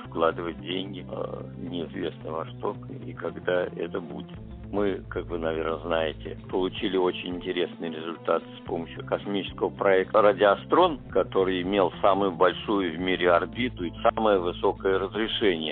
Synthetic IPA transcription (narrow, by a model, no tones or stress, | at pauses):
fklˠad̪ɨvət̚ʲdʲenʲɡʲɪ̰ | nʲɪɪzvʲesnɨvɐst̪o̞kḭkɐɡd̪aɛ̰t̪əbudʲɪt̪ | mɨkakvɨnɐvʲernəznajɪtʲɪ̰pəlˠʊt͡ɕilʲɪot͡ɕɪnʲɪnʲtʲɪɾʲesnɨjəɾʲɪzʊlʲt̪at̪ɨ̥spo̞məɕːjʊkɐsmʲit͡ɕɪskəvəpɾɐɛkt̪rədʲɪɐst̪ɾo̞nkɐt̪o̞ɾɨjɪmʲelˠsamʊjʊbɐlʲʂujʊvmʲiɾʲɪɐrbʲit̪ʊisaməjəvɨso̞kəjəɾəzɾʲɪʂɛnʲɪjə